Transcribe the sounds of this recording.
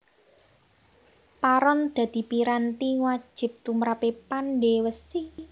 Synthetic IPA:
paɾɔnd̪̥a̤d̪̥i̤piɾant̪iŋwḁʒ̥ɪ̤p̚t̪umɾapepanɖewəsi

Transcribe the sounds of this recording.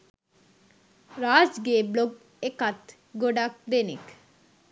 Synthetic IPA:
ɾaːd͡ʒɡebloɡ̚ | ekat̪ | ɡoɖak̚d̪enḭk

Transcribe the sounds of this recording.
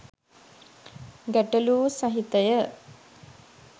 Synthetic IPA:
ɡæʈəluːsaɦit̪əjə

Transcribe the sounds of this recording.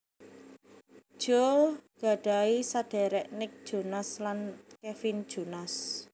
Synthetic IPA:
ʒ̥oɡ̥a̤ɖ̥a̤isad̥ɛ̤ɾɛʔnɪk̚d̥ʒ̥o̤naslankefind̥ʒ̥o̤nas

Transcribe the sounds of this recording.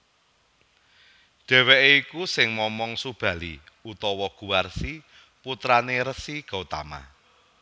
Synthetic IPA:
ɖ̥ɛ̤weʔeikusɪŋmɔmɔŋsub̥ä̤lḭ | ut̪ɔwɔɡ̥ṳwarsi | put̪ɾaneɾəsiɡ̥a̤ut̪ama̰

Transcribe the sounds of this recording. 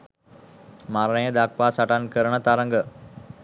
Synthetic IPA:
maɾɐɳəjəd̪akʋaːsaʈankəɾəɳət̪aɾɐŋɡə

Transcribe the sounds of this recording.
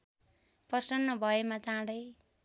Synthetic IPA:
pʌsʌnːʌbʱʌjemat͡sãɽʌj

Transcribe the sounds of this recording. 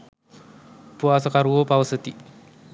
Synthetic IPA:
puasakaɾuopawəsət̪i

